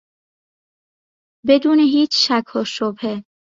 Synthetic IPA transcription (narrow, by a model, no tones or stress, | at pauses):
be̞d̪uːneɦiːt͡ʃʰʃækʰhɔʃobhe